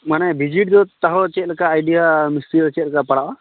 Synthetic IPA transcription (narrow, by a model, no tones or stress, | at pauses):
manɛbʱid͡ʒiʈ̚d̪ɔt̪aɦɔt͡ʃɛt̪̚lɛkaːjɖijamisilt͡ʃɛt̪̚lkapaɽawa